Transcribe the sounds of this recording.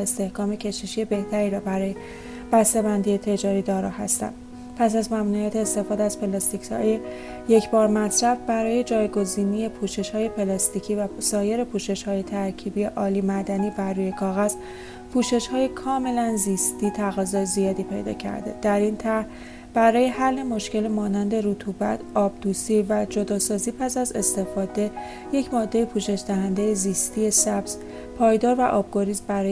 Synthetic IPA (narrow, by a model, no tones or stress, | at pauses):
est̪e̞hkɒːme̞cʰe̞ʃiʃie̞be̞ht̪æɾiːɾɒːbæɾɒːje | b̥æst̪e̞bænd̪ije̞t̪ʰe̞d͡ʒɒːɾiːd̪ɒːɾɒːhæ̰st̪æ̰nd̥̪ | pʰæsæzmæmnuijæːt̪ʰeːst̪e̞fɒːd̪eæz̥pʰe̞lɒst̪icɒ̰je | je̞cʰbɒːɾmæt̪ʰɾæfbæɾɒːje̞d͡ʒɒːjɡo̞ziːnije̞pʰuːʃe̞ʃhɒːje̞pʰe̞lɒst̪icʰiːvæsɒːje̞ɾe̞pʰuːʃe̞ʃhɒːje̞t̪ʰæɾcʰiːbije̞ʔɒːliːmæd̪æniːbærːuːje̞kʰɒːɣæz | pʰuːʃe̞ʃhɒːjekʰɒːme̞lænziːst̪iːt̪ʰæɣɒːzɒːjzijɒːd̪iːpʰe̞̰jd̪ɒ̰ːcʰæ̰ɾd̪e̞̰d̪̥æɾint̪ʰæɾh | b̥æɾɒːje̞hælːe̞mo̞ʃce̞lemɒːnænd̪e̞ɾut̪ʰubæ̰t̪ʰɒːb̚d̪̥uːsivæd͡ʒo̞d̪ɒːsɒːziːpʰæsæze̞st̪e̞fɒːd̪e̞ | je̞cʰmɒːd̪ːe̞jepʰuːʃe̞ʃd̪æɦænd̪ejeziːst̪ije̞sæbz̥ | pʰɒːjd̪ɒːɾvæʔɒːb̚ɡo̞ɾizmbæɾɒː